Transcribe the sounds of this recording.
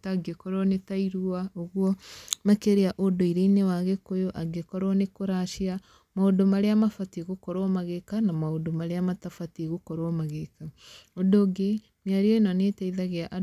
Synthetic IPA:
taɡekɔɾwɔnetaiɾuaoɣwɔmakeɾeaʔodoiɾeinewaɣekojoʔaɡekɔɾwɔnekoɾaʃia | maodomaɾeamafatiɣokɔɾwamaɣekanamaodomaɾeamatafatiɣokɔɾwamaɣekaodoɡe | mjaɾiɔenanetaiðaɣeaʔa

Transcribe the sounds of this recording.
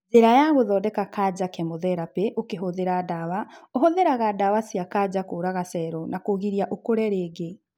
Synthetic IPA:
ðeɾajaɣoðɔːdɛkakad͡ʑakɛmoðɛɾapeʔokeɦoðeɾadawaoɦoðeɾaɣadawasiakad͡ʑakoːɾaɣasɛɾɔnakoɣiɾiaʔokoɾɛɾeːɡe

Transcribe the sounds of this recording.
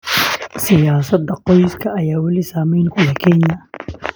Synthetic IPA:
sɪjaːsɐd̪ɐqɔjskʰɐʔɐjaːwɐlɪsaːmɛjnkʰʊlɐkʰɛnjɐ

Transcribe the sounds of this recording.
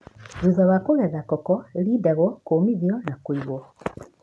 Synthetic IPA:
zuzawakoɣɛðakɔkɔeɾiːdaɣɔkoːmiðjɔnakwiɣwɔ

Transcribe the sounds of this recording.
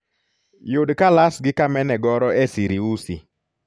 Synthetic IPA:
jʊdkalasɡɪkamɛnɛɡɔɾɔɛsiɾiusḭ

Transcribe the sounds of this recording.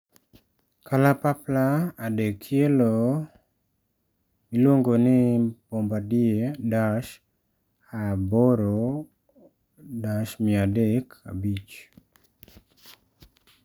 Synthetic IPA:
kʰalapaplaːdɛkʰːjelo | milwoŋɡonɪpombadiedaʃ | aboɾo | daʃmɪadɛka̰bit͡ʃ

